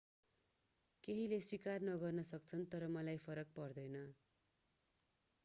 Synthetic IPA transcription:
keɦileswikarnʌɡʌrnʌsʌk̚t͡sʰʌnt̪ʌɾʌmʌlajpʰʌɾʌk̚pʌrd̪ʌjnʌ

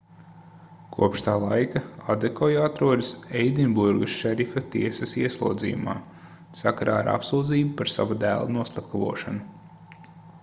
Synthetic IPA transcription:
kʰuɔpʃt̪aːlˠajkaad̪ekʰɔjat̪ɾuɔd̪ɨsejd̪inbuɾɡɨsʃɛɾifɐt̪iɛsɐsiɛslˠṵɔd̪zḭːjuma̰ː | sakaɾa̰ːaɾʔa̰psuːd̪ziːbupaɾsa̰vud̪æːlˠanuɔslˠapkavṵɔʃanu

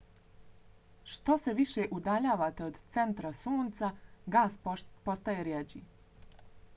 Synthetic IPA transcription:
ʃt̪o̞se̞ʋiʃeʔud̪aʎaːʋaːt̪e̞o̞d̪t̪se̞nt̪ɾasuːnt̪saɡaːspo̞st̪ajeɾjed͡ʑḭ

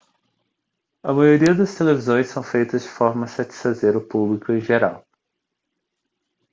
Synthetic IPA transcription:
ɐmajoɾiɐd̪ɐst̪elevizõj̃sːɐ̃w̃fejt̪ɐzd͡ʒɪfɔɾmɐsat͡ʃi̥sfazeɾʊpublikʊẽj̃ʒeɾaw

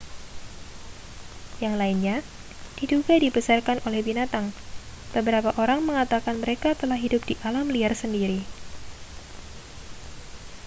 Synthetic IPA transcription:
jaŋlainɲa | d̥iduɡadibəsarkanʔolɛhbinat̪aŋb̥əbəɾapaʔoɾaŋməŋat̪akanməɾekat̪əlahɦidʊp̚d̥iʔalamliarsəndiɾi

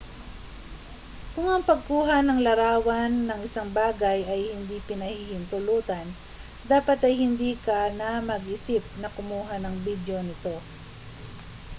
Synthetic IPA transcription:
kʊŋɐŋpɐɡ̚kuːɦanɐŋlɐɾaːwɐnːɐŋɪsaŋbaːɡajɐjhɪnd̪ipɪnɐhihɪnt̪ʊluːt̪ɐn | d̪aːpɐt̪ɐjhɪnd̪iːkɐnɐmɐɡʔɪsɪp̚nɐkʊmuːɦanɐŋbid̪jo̞nɪt̪o̞

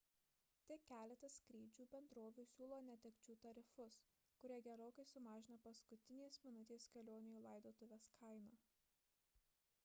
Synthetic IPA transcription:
t̪ʲɪkʲæːlʲɛt̪ɐsʲkɾʲiːd͡ʒʲuːbʲɛnd̪ɾoːʋʲuːsʲuːlˠoːnʲɛt̪ʲɛkʲt͡ʃʲuːt̪ɐɾʲɪfʊs | kʊɾʲiɛɡʲɛɾoːkɐɪsʊmɑːʒʲɪnɐpɐskʊt̪ʲɪnʲeːsmʲɪnʊt̪ʲeːskʲɛlʲoːnʲɪjuːlˠɐˑɪd̪oːt̪ʊʋʲeːskʰɐɪnɐː

